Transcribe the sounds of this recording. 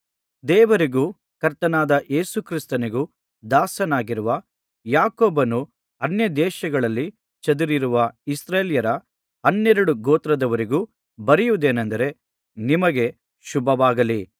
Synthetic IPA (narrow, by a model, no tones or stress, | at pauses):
d̪ɛːʋɐɾiɡuː | kɐɾt̪ɐnaːd̪ɐʔe̞ːsukɾist̪ɐniɡu | d̪aːsɐnaːɡiɾuʋɐ | jaːkoːbɐnu | ɐnjɐd̪ɛːʃɐɡɐɭɐlːi | t͡ʃɐd̪uɾiɾuʋɐisɾeːljɐɾɐ | ɐnːɛɾɐɽuɡoːt̪ɾɐd̪ɐʋɐɾiɡuː | bɐɾijuʋd̪e̞ːnɐnd̪ɐɾe̞ | nimɐɡe̞ | ʃubʱɐʋaːɡɐli